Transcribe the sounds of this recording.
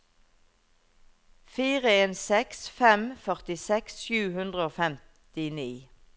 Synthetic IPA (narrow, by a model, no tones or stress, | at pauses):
fiːʁəeːnsɛksfɛmfœʁt̪ɪsɛksʃjʉːhʉnd̪ʁəoːfɛm | t̪ɪniː